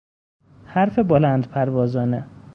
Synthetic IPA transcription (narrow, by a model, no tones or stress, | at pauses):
hæɾfebolænd̪pʰæɾvɒːzɒːne